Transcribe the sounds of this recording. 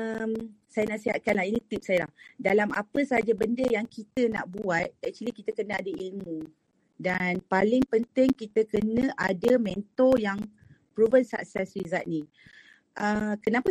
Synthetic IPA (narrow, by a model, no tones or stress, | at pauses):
əmsajanaʔsiɦat̪̚kanlahinĩt̪ip̚sajəla̰hdalama̰pəsaɦad͡ʒabəndəjaŋkit̪əna̰ʔbuat̪̚ɛk̚t͡ʃuəlikit̪əkənəadəilmu | danpalɪŋpənt̪ɪŋkit̪əkənə̃ʔadəmɛ̃nt̪ɔjaŋ | pɾovənsa̰k̚sɛsrizat̪̚ni | ʔəkənapə